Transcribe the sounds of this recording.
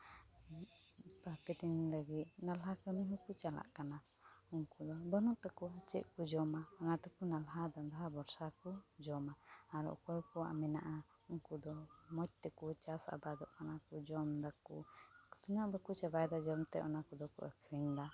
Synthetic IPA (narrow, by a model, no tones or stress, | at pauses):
papɛt̪iŋlaɡit̪̚nalɦakəmiɦukut͡ʃala̰ʔkana | uŋkud̪ɔbɔnɔʔt̪ɛkɔwat͡ʃɛ̰ʔkud͡ʒɔmaɔnat̪ɛkunalɦad̪ɔnd̪aɦabɔɾsakud͡ʒɔmaaɾɔ̰ʔkɔjkɔwa̰ʔmɛnaʔa | uŋkud̪ɔmɔc̚t̪ɛkut͡ʃasa̰bad̪ɔʔkanakud͡ʒɔmd̪akut̪unaʔbakut͡ʃabajd̪ad͡ʒɔmt̪ɛ̰ʔɔnakud̪ɔkṵʔakʰɾiŋd̪a